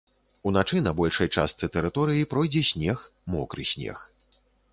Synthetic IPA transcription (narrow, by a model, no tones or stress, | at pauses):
unat͡ʂɨnɐbɔlʲʂɐjt͡ʂa̰st̪sɨt̪ɛɾɨt̪ɔɾɨjipɾɔjd͡zʲɛsʲnʲɛxmɔkɾɨ̰sʲnʲɛ̰x